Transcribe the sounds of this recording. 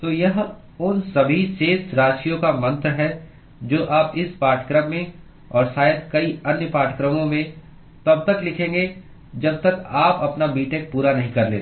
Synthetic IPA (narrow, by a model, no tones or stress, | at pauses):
t̪oːjɐɦ | ʊnsɐbʱiseːtɾaːʃijõkamɐ̃nt̪ɾɦɛ | d͡ʒoːʔaːpɪspaːʈʰkɾəmːẽ | ɔːɾsaːɪd̪kɐiɐnjəpaːʈʰkɾəmõmẽ | t̪ɐb̚t̪ɐklɪkʰẽːŋɡe | d͡ʒɐb̚t̪ɐkaːpɐpnabiːʈek̚puːɾanɐɦĩkɐɾlḛː